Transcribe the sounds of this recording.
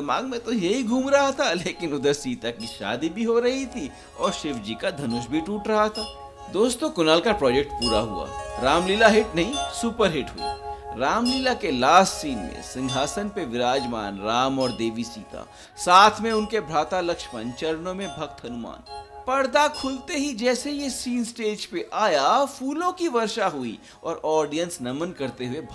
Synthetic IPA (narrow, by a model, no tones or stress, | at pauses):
d̪ɐma̰ːɡmẽt̪ojɐɦiɡʱuːmɾɐɦat̪ʰaleːkɪnʊd̪əɾsiːt̪ɐkbiʃa̰ːd̪ibʱiɦoɾɐɦit̪ʰi | ɔːɾʃɪʋd͡ʒikad̪ʱɐnʊʃbʱiʈuːʈɾɐɦat̪ʰaː | d̪oːst̪okʊnaːlkapɾɔːd͡ʒek̚ʈpuːɾaɦṵa̰ːɾaːmliːlaɦɪʈnɐɦĩsuːpəɾɦɪʈɦʊ̰ḭɾaːmliːlakelaːssiːnmḛ̃sɪ̃ŋɡʱaːsənpeʋɪɾaːd͡ʒma̰ːnɾaːmɔːɾd̪eːʋisḭːt̪a̰ | saːt̪ʰmẽʊnkebʱɾaːt̪alɐkʃpə̃nt͡ʃɐɾnõmẽbʱɐk̚t̪ɦɐnʊma̰ːnpɐɾd̪akʰʊlt̪eɦid͡ʒɛːsejesiːnsʈeːd͡ʒpeʔaːjafuːlõkiʋɐɾʃaɦʊi | ɔ̰ːɾɔːɾɖijənsnɐmənkɐɾt̪eɦuebʱ